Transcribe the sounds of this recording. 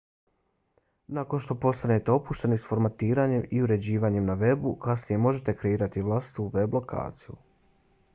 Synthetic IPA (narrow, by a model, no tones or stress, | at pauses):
nako̞nʃt̪o̞po̞st̪ane̞t̪eo̞puʃt̪e̞nisfo̞ɾmat̪iːɾaːɲe̞miuɾe̞d͡ʑiːʋaːɲe̞mnaʋe̞bukasnije̞mo̞ʒe̞t̪e̞kɾe̞iːɾat̪iʋlˠasi̥t̪uʋe̞blˠo̞ka̰ːt̪sijṵ